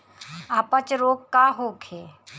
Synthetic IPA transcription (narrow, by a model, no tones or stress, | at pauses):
aːpət͡ʃɾoːkkaɦokʰe